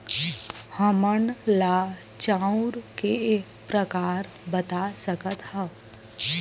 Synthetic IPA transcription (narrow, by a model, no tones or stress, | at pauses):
həməɳlaː | t͡ʃãʊ̃ɾkeekpɾəkaːɾ | bət̪asəkət̪hə̃